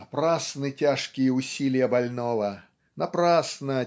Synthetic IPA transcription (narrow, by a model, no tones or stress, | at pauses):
ɐpɾasnɨtʲaʂkʲɪjəʊsʲilʲɪjɐbɐlʲnovɐ | nɐpɾasnə